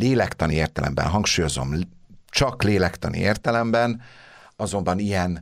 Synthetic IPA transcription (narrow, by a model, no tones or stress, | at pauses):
leːlɛkt̪ɒnieːrt̪ɛlɛ̰mbɛ̰nɦɒŋkʃuːjo̞zo̞̰mt͡ʃɒkleːlɛkt̪ɒnḭeːrt̪ɛlɛmbɛn | ɒzo̞mbɒnijɛn